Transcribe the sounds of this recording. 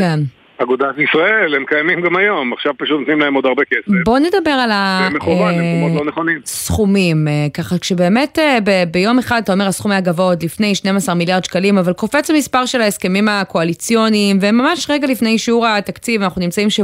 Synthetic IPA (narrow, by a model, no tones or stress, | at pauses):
ken | aɡod̪atisʁaelhemkajamimɡamajo̞maχʃavpaʃut̪not̪nimlaemod̪aʁbekesbo̞nedabe̞ʁalameuvanloneχonimsχumimekaχakʃebe̞ːme̞tebebejo̞meχad̪at̪ao̞measχumajaɡavod̪lifnejʃnemasaʁmiljaʁd̪ʃkalimavalko̞fe̞t͡samispaʁʃelaeske̞mimakoalit͡sjonimvemamaʃʁeɡalifne̞jʃiuʁat̪akt͡sivanaχnunimt͡saimʃe